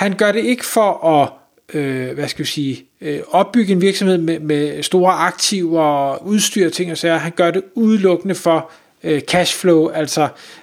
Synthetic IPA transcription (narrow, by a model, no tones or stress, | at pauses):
hænɡ̥ɶɐɾe̝e̝ɡ̥əfɒʔɒ̽ | øʋæsɡ̥ædisiː | ɒ̽b̥̚ːyɡ̥əe̝nʋiɐɡ̥sɒ̽mhe̝ð̞̰ˠmemesd̥o̝ːɐɑ̈ɡ̥̚t͡sʰiʊɒuð̞ˠsd̥yɐ̰t͡sʰe̝ŋɒ̽sæɐɦænɡ̥ɶɐɾe̝uð̞ˠlɔ̽ɡ̥ənəfɒ̽ | økʰæɕfloʊæl̰sɒ